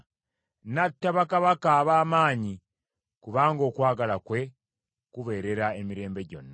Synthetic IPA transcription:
natːaβakaβakaːβaːmaːɲi | kuβaːŋɡo̞ːkwaːɡalakwe̞ | kuβe̞ːɾe̞ɾaemiɾe̞ːmbe̞ɟo̞̰nːa

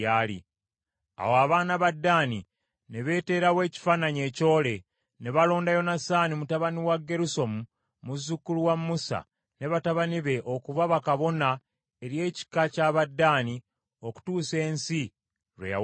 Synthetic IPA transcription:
aːlḭ | a̰woaβaːnaβadːaːni | ne̞βe̞ːte̞ːɾawe̞ːci̥faːnaɲe̞ːco̞ːle̞ | ne̞βalo̞ːndajo̞nasaːnimutaβaniwaɡːe̞ɾuso̞mu | muzːukːuluwamːusa̰ | ne̞βataβaniβe̞ʔo̞kuvaβakaβo̞na | e̞ɾje̞ːci̥kacaβadːaːni | o̞ku̥tuːse̞ːnsi | ɾwḛa̰

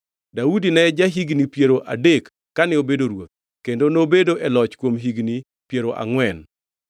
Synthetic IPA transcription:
daudinɛd͡ʒaɦiɡnipjeɾoʔa̰dekːanɪobedoɾwot̪̚ | kendonobedoʔɛlɔt͡ʃkwomɦiɡni | pjeɾoʔa̰ŋwɛn

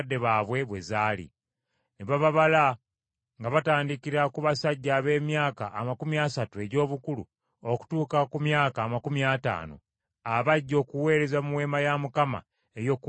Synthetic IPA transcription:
dːe̞βaːβwe̞βwe̞zaːlḭ | neβaβaβala | ŋɡaβataːndikiɾakuβasaɟːaːβe̞ːmjaːkaʔːmakumiasatue̞ɟo̞ːβukulṵ | oku̥tuːkakumjaːkaːmakumiata̰ːno̞̰ | aβaɟːo̞ːkuwe̞ːɾe̞zamuwe̞ːmajamukama̰ | ejo̞ku

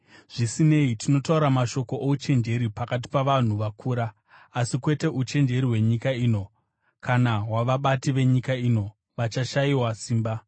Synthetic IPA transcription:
ʐ̥isine̞itʰino̞tauɾamaʃo̞ko̞ʔout͡ʃe̞nd͡ʒe̞ɾipakat̬i̥paʋan̤uʋakʰuːɾaː | sikwe̞te̞ʔut͡ʃe̞nd͡ʒe̞ɾiwe̞ɲikaiːno̞ | kʰanaɦwaʋaɓatiʋe̞ɲikaiːno̞ | ʋat͡ʃaʃaiwasiːmba

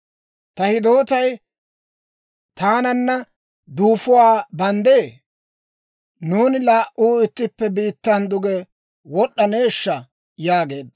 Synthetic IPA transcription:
t̪ɐhɪd̪o̞ːt̪ɐj | t̪aːnɐnːɐ | d̪uːfʊwaːbɐnd̪eː | nuːnɪlaːʔʔuːɪt̪ːɪpːɛbiːt̪ːɐnd̪ʊɡɛ | wɔɗːɐne̞ːʃːɐ | jaːɡe̞ːd̪

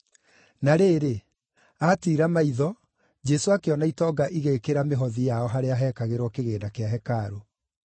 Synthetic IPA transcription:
naɾeːɾe | atiːɾamaiðɔ | d͡ʒɛsoakeɔnaitɔɡaʔiɣekeɾameɦɔðijaɔɦaɾeaɦɛːkaɣeɾwɔkeɣeːnakeaɦɛkaɾo

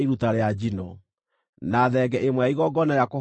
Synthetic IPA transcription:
iɾutaɾead͡ʑinɔ | naːðɛɡɛʔemwɛaiɣɔɡɔnajako

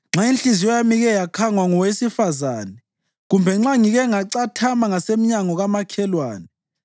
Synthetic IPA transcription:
ŋ͡ǁainɬizijɔjamiɣɛjakʰaŋwaŋɔwesifazaːnɛ | ɣumbʱɛŋ͡ǁaŋiɣɛŋaǀatʰamaŋasemiɲaŋɔɣamakʰɛlwaːnɛ

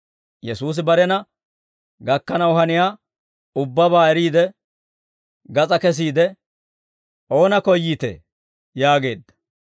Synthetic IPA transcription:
jɛsuːs̬ɪbɐɾɛnɐ | ɡɐkːɐnɐwʊɦɐnɪjaː | ʊbːɐbaːɛɾiːd̪ɛ | ɡɐt͡sʼɐkɛs̬iːd̪ɛ | ʔo̞ːnɐkɔjːiːt̪ḛ | jaːɡe̞ːd̪ːɐ̥

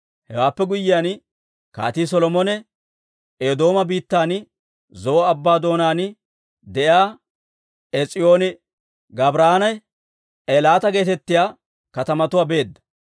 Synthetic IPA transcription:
hɛ̰waːpːɛɡʊjːɪjaːn | ka̰ːt̪iːs̬ɔlɔmɔnɛ | ed̪o̞ːmɐbiːt̪ːaːnɪ | zɔɔɐbːaːd̪o̞ːnaːnɪ | d̪ɛʔjaː | ɛt͡sʼɪjo̞ːnɪ | ɡɐbɾaːnɐj | ʔelaːt̪ɐɡe̞ːt̪ɛt̪ːɪjaː | kɐt̪ɐmɐt̪ʊwaːbe̞ːd̪ːɐ̥

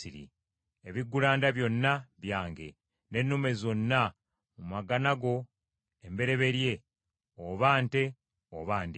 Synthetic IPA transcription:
iɾḭ | eβiɡːulaːndaβjo̞nːaβjaːŋɡe̞̰ | ne̞nːume̞zo̞nːa | mumaɡanaɡo̞ | e̞mbe̞ɾe̞βe̞ɾje̞ | oβaːnte̞ | oβaːndi

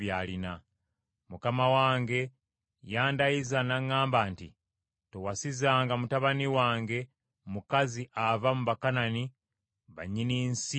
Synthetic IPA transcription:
jalina | mukamawaːŋɡe̞ | jaːndajizanaŋːaːmbaːntḭ | towasizaːŋɡamutaβaniwaːŋɡe̞ | mukaziʔavamuβakanani | βa̰ɲiniːnsi

